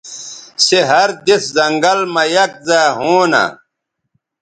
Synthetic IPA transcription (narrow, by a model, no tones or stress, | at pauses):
seɦɐɾd̪eszɐŋɡɐlmɐjɐk̚zaːɦoːna̰